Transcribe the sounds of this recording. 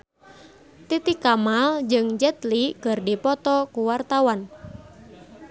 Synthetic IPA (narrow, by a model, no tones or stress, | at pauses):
t̪it̪ikamald͡ʒɨŋd͡ʒɛt̪liɡ̥ərdipɔt̪ɔkuwart̪awan